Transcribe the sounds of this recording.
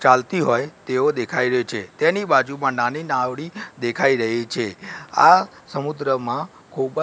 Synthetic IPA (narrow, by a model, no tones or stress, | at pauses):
t͡ʃalt̪iɦojt̪eod̪ekʰaiɾəɦit͡ʃʰet̪enibad͡ʒumãnaninaʋɽid̪ekʰaiɾəɦit͡ʃʰea̰ | səmud̪ɾəmã | kʰub